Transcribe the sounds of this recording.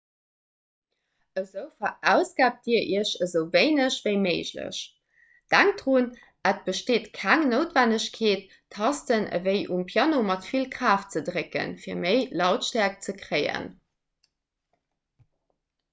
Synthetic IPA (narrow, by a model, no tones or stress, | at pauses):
əzəʊfɐʔæʊsɡ̥aːp̚d̥iːɐʔiəɐɕəzəʊveɪnəɕv̥əɪmeɪʑlə̰ɕ | d̥æŋk̚d̥ʁun | ət̚b̥əʃteːtkʰæŋnəʊtvænəɕkʰeːt | tʰːɑstənə̰vəɪʔumpʰjɑnomɑtfilkʁaːf̚t͡sədʁekə̰nfiːɐməɪlɑʊtʃtæɐk̚t͡səkʀeɪə̰n